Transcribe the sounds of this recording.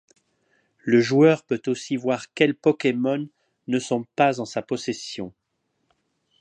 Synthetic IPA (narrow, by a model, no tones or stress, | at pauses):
ləʒuœʁpøt̪osivwaʁkʲɛlpɔkʲemɔnː | əsɔ̃pazɑ̃sapɔsesjɔ̃